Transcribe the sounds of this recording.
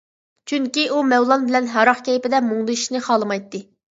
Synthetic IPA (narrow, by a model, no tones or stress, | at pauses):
t͡ʃʰyŋkʲiʔumɛwlˠɑnbɪlɛnɦɑɾɑχkʲʰɛjpɪd̪ɛmuŋlˠɨʃnɨχɑːlˠɨmɑjt̪ːɨ